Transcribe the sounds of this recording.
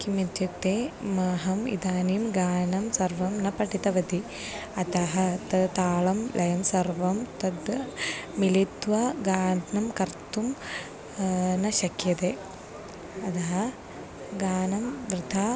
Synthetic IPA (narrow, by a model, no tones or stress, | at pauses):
kimit̪jɐkt̪eːmaːɦɐmḭd̪aːnimɡaːnɐmsɐɾʋɐmnɐpɐʈit̪ɐʋɐt̪i | ɐt̪ɐɦɐt̪ɐt̪aːɭɐmlʔɐjɐmsɐɾʋɐmt̪ɐd̪ | milit̪ʋɐɡaːɖnɐmkɐɾt̪um | nɐʃɐkjɐt̪eː | ɐd̪ɐɦɐ | ɡaːnɐmʋɾɪd̪ʱaː